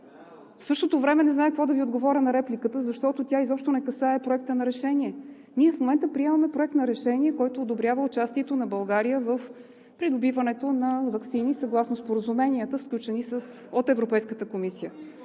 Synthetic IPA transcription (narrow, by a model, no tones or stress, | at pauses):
fsɤʃt̪ot̪ovɾɛmɛnɛznaɛkəkvɔd̪ɐviod̪ɡovɔɾʲənɐɾɛplʲikət̪əzɐʃt̪ɔt̪ot̪ʲjaizɔpʃt̪onɛkɐsaɛpɾoɛk̚t̪ənɐɾɛʃɛniɛ | niɛfmomɛnt̪əpɾiɛməmɛpɾoɛkt̪nɐɾɛʃɛnʲiɛkɔjt̪oːd̪obɾʲjavəʊt͡ʃast̪iɛt̪onɐbɐlˠɡaɾijəvəf | pɾid̪obivənɛt̪onɐvɐksinisɐɡlˠasnospoɾəzumɛniət̪əfsklʲut͡ʃɛnisəs | ot̪ɛvɾopɛjskət̪əkomisijə